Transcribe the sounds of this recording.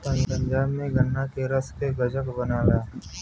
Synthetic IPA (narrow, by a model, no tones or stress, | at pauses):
pɐ̃ɲpə̃ɲd͡ʒaːbnẽɡʱɐnːakeɾɐskeɡɐd͡ʒəkbɐnaːlaː